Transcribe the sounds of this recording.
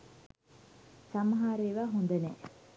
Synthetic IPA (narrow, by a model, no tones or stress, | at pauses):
samɦaːɾeːʋaːɦond̪ɐnɛ̰ː